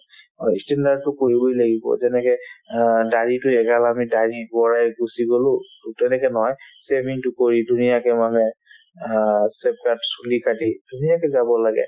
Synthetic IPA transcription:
ɔstɛndad̚tːʊkoɹibojlaɡibɔ̰zɛnɛkɛ | daɹitʊɛɡalamidaɹibɔɹajɡusiɡolʊ̃tɛnɛkɛnɔɦɔjsɛmiŋtʊkoɹidʱunijakɛmamɛ | sɛp̚katsulikadidʱunijakɛzabɔlaɡɛ̰

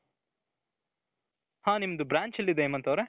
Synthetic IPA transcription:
hãːnimɐd̪ubɾaːɲt͡ʃɐlːid̪eemːɐnt̪ɐwɾe

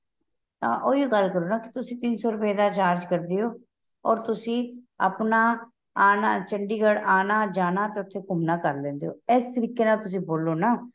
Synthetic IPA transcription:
aːʔoːiɡəlkəɾoːnaːkɪ̥t̪ʊsĩːt̪ɪnsoːɾʊpeːd̪aːt͡ʃaːɾd͡ʒkəɾd̪eːoː | ɔːɾt̪ʊsĩːə̰pnaː | aːnaːt͡ʃəɳɖiːɡəɽaːnaːd͡ʒaːnaːt̪eːʊt̪ʰːeːkʊmnaːkəɾlɛ̃ːnd̪eːo̰ːɛːst̪əɾiːkeːnaːlt̪ʊs̬ĩːboːlːoːnaː

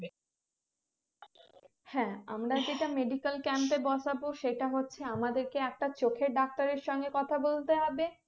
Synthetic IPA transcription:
hɛ̃a̰mɾad͡ʑeʈameɖikalkɛmpebɔʃʰaboʃeʈaɦotːɕʰeamad̪eɾkeɛk̚ʈat͡ɕokʰeɾɖak̚t̪aɾeɾʃɔŋɡekɔt̪ʰabolt̪eɦɔbe

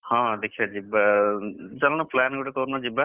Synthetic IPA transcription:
hãːd̪ekʰiaːd͡ʒiːb | t͡ʃəlnãːpʰlɛːnɡʊɽeːkoɾnãːd͡ʒibɛː

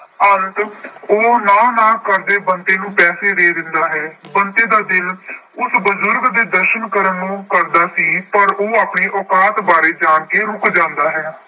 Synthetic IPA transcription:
ənt̪oːnaːnãːkəɾd̪eːbənt̪eːnũːpɛːseːɾeːd̪ɪnd̪aːɦɛːbənt̪eːd̪aːd̪ɪlʊsbəzʊɾɡd̪eːd̪əɾʃənkəɾənːũːkəɾd̪aːsiːpəɾoːaːpɳeːʔɔːkaːt̪baːɾeːd͡ʒaːnkeːɾʊkd͡ʒãːnd̪aːɦɛː

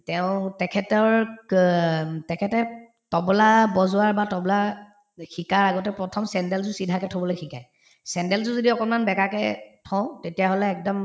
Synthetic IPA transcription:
tɛʊ̃tɛkʰɛtɔɹ | tɛkʰɛtɛ | tɔblabɔzʊaɹbatɔbla | xikaɹaɡɔtɛpɹɔtʰɔmsɛndɛlzʊsidʱakɛtʰobɔlojxikaj | sɛndɛlzʊzodiɔkɔnmanbɛkakɛ̰tʰɔ̃ʊ̃tetijaɦolɛːk̚dɔm

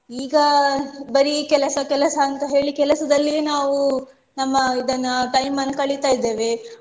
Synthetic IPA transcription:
iːɡɐbɐɾikɛlɐsɐkɛlɐsɐːnt̪ɐɦe̞ːɭikɛlɐsɐd̪ɐlːinaːʋu | nɐmːɐid̪ɐnːɐʈɐjmɐnkɐɭit̪aːjid̪ːeːʋe

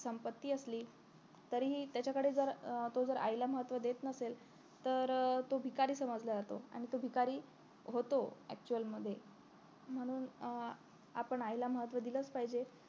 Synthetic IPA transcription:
səmpət̪ːiːəsliː | t̪əɾiɦiːt̪jat͡ɕakəɽed͡zəɾt̪od͡zəɾʔa̰jlaməɦət̪ʋəd̪et̪nəsel | t̪əɾt̪obʱikaɾiːsəməd͡zləd͡zat̪oa̰ɽ̃it̪obʱikaɾiː | ɦot̪oæ̰k̚t͡ɕuəlməd̪ʱːje | m̤əɽ̃uːn | a̰pəɳajlaməɦət̪ʋəd̪ilət͡spaɦid͡ʑe

